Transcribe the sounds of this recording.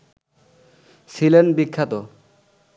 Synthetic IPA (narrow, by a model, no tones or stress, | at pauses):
silenbikʰːat̪ɔ